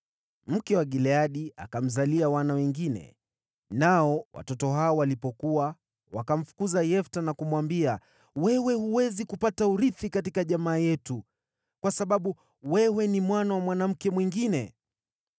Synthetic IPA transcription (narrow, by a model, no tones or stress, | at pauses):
m̩kɛwaɡilɛaɗia̰kam̩zaliawanawɛŋɡinɛ̰ | naɔwʔa̰tɔtɔɦaɔwalipɔkuwa | wakam̩fu̥kuzajɛftanakumwambia | wɛwɛhuwɛzikupatauɾiθikatikaʄamaːjɛtu | kwasaɓaɓu | wɛwɛnimwanawamwanam̩kɛmwiŋɡinɛ